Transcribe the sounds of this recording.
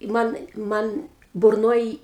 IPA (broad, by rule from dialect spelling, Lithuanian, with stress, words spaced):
ˈmɐn ˈmɐn bʊrˈnoːj